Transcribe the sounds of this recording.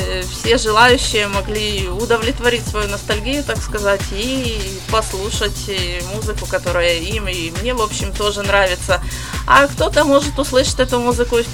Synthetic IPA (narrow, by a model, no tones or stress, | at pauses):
fsʲe̞ʐɨlˠajʉɕːɪjəmɐɡlʲiʊd̪əvlʲɪt̪vɐɾʲitʲsvɐjunəst̪ɐlʲɡʲijʊt̪akskɐzatʲi | pɐslˠuʂətʲmuzɨkʊkɐt̪o̞ɾʊjəimimnʲe̞vo̞pɕːɪmt̪o̞ʐɨnɾavʲɪt̪sə | ɐkt̪o̞t̪əmo̞ʐɨt̪ʊslˠɨʂə̥tʲɛt̪ʊmuzɨkʊ